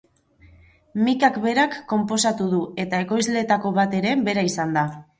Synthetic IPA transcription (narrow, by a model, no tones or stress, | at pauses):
mikakβe̞ɾakːo̞mpo̞sat̪uðue̞t̪ae̞ko̞jzle̞t̪ako̞β̞at̪e̞ɾe̞be̞ɾaisand̪a